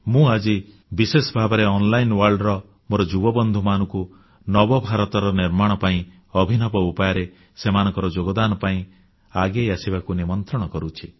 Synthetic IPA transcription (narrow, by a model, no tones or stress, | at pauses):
mũad͡ʒi | bisesɔbʱabɔɾeɔnlajnwaɾɖɾɔ | moɾɔd͡ʒubɔbɔnd̪ʱumanɔŋku | nɔbɔbʱaɾɔt̪ɔɾɔniɾmaɽ̃ɔpaĩ | ɔbʱinɔbɔupajɔɾe | semanɔ̃ŋkɔɾɔd͡ʒoɡɔd̪anɔpaĩ | aɡejasibakunimɔnt̪ɾɔɽ̃ɔkɔɾut͡ʃʰi